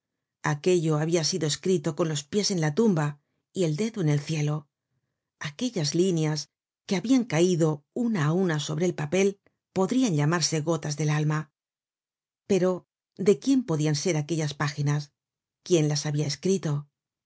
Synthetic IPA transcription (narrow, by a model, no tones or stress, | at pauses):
ake̞ʎo̞aβiasiðo̞e̞skɾit̪o̞ko̞nlo̞spje̞se̞nlat̪umba | ie̞ld̪e̞ðoene̞lθje̞lo̞ | ake̞ʎazlinjas | ke̞aβiaŋkaiðo̞unaːunaso̞βɾe̞ːlpape̞l | po̞ðɾianʎamaɾse̞ɣo̞t̪azðe̞lalma | pe̞ɾo̞ | d̪e̞kje̞mpo̞ðianse̞ɾake̞ʎaspaxinas | kje̞nlasaβiae̞skɾit̪o̞